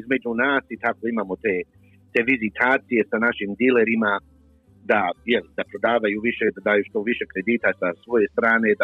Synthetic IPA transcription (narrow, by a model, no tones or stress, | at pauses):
izme̞d͡ʒunaːsit̪ako̞imaːmo̞t̪eː | t̪e̞ʋizit̪ʰaːt̪sije̞sanaʃimd̪ile̞ɾima | d̪ajelid̪apɾo̞d̪aːʋajuʋiʃe̞p̪od̪aːjuʃt̪oʋiʃe̞kɾe̞d̪iːt̪asasʋo̞je̞st̪ɾaːne̞d̪a